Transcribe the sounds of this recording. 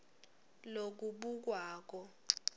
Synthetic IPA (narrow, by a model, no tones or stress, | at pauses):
lok̬uɓuk̬waːk̬ɔ